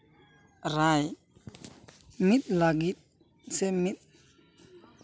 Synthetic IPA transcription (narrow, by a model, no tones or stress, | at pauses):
ɾaj | mit̪̚laɡit̪̚ | sɛmit̪̚